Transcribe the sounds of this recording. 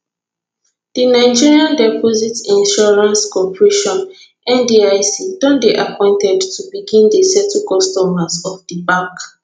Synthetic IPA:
d̥inaɪd͡ʒiɹiãndɛpʰɔzitĩnʃɔɹãnskɔpɹeʃɔ̃n | ɛ̃ndiajsidɔ̃nbeʔapʰɔ̃ɪ̃ntɛdtʰubiɡĩndəsɛtʰukɔstɔmazɔfdibãk

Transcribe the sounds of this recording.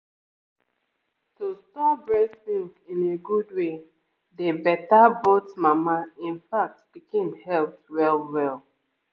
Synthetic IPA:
tustɔbɹɛsĩŋkĩneɡud̚we | debɛtabotmamaĩnfak̚tb̥ikẽmhɛlptwɛlwɛlˠ

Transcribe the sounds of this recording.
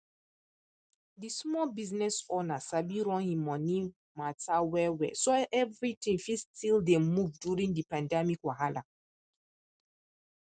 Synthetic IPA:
dismɔlbiznɛsɔnasabiɹɔ̃nhĩmɔ̃ni | matawɛwɛ̰soʔɛvɹitĩŋfistildemuvdjuɹĩndipãndɛmikwaɦala̰

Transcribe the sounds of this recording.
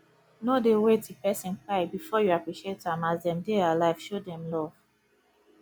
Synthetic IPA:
nodewetdipɛsĩnkaɪbifɔjuapɹiʃietːuãmazdɛ̃mdealaɪv̥ʃodɛ̃mlɔv̥

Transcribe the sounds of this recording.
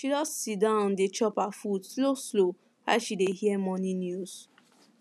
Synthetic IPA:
ʃiɾɔssidãʊ̃ndet͡ʃɔpafudsloslo | aʃidehiɛmɔnĩnjuz

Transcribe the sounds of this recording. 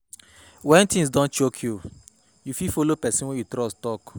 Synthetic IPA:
wɛ̃ntĩŋs̬dɔ̃nt͡ʃokʰju | jufifolopɛsĩnwɛ̃jutɾɔstɔk

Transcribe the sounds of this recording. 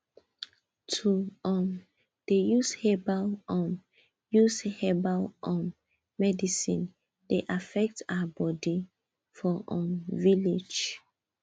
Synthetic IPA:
tʰuɔ̃m | d̥ejushebalɔ̃m | jushɛbalɔ̃mː | ɛdisḭ̃n | deʔafɛk̚taabɔdi | fɔʔɔ̃mviled͡ʒ

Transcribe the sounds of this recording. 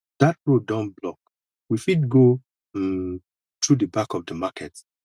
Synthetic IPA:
d̥at̚ɹodãnblɔk̚ | wifid̚ɡo | tʰɹudəbakɔvdəmakʰɛt

